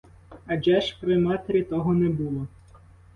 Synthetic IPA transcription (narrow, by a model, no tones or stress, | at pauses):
ɐd͡ʒɛʃpɾɪmɑt̪eɾʲit̪ɔɦɔnɛbulˠɔ